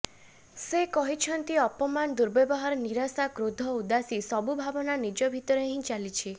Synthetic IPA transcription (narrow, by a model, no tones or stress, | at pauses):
sekɔɦit͡ʃʰɔnt̪iɔpɔmand̪uɾbebɔɦaɾɔniɾasakɾod̪ʱɔud̪asisɔbubʱabɔnanid͡ʒɔbʱit̪ɔɾeɦĩt͡ʃalit͡ʃʰi